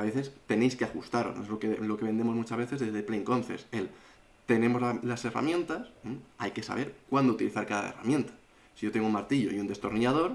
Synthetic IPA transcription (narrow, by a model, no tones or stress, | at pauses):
βe̞θe̞st̪e̞ne̞jskeaxust̪aɾo̞̰snoezlo̞kelo̞ke̞βe̞nd̪e̞mo̞zmut͡ʃazβe̞θe̞zðe̞zðe̞plejŋko̞nθe̞̰se̞l | t̪e̞nẽ̞mo̞zlalase̞ra̰mjẽ̞nt̪asajke̞sa̰β̞e̞ɾkwand̪out̪iliθaɾkaða̰ḛra̰mje̞nt̪ḁ | siʝo̞t̪e̞ŋɡoumaɾt̪iʎo̞̰iund̪e̞st̪o̞ɾniað̞o̞ɾ